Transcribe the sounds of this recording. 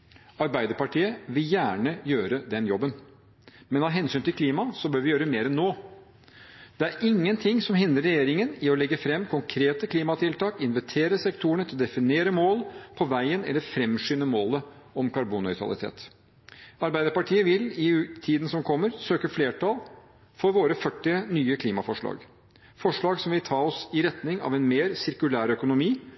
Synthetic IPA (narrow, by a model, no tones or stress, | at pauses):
ɑɾbæɪd̪əɾpɑʈʰiːəʋɪljæːɳəjøːɾəd̪ɛnjɔbːən | mɛnhɑːɦɛnsyːnt̪ɪlkʰliːmɑsɔbøːɾʋɪjøːɾəmeːɾɛnːoː | d̪̥ɛæɾɪŋːənt̪ʰɪŋːsɔmɦɪnd̪ɾəɾɛjeːɾɪŋənɪɔlɛɡːəfɾɛmːkʰʊŋkʰɾeːt̪əkʰliːmɑt̪ʰɪlt̪ɑːkɪnʋɛt̪ʰeːɾəsɛkt̪ʰuːəɳət̪ʰɪlɔd̪ɛfɪneːɾəmoːlpʰɔʋæɪənɛ̰lːəɾfɾɛmʂyːnəmoːlə | ɔmkʰɑɾbuːnːœʏt̪ʰɾɑ̰lɪ̰t̪ʰḛːt̪ | ɑɾbæɪd̪əɾpɑʈʰiːəʋɪlɪt̪ʰiːd̪ən̩sɔmkʰɔmːəɾsøːkəfleːʈʰɑlˠ | fɔɾʋoːɾəfœʈːɪənyːəkʰliːmɑfɔʂɭɑ̰ːɡ | fɔʂɭɑːɡsɔmʋɪlt̪ʰɑːɔsɪɾɛt̪nɪŋɑ̰ːʋɛnmeːɾsɪɾkʉlæːɾœkʊnʊmiː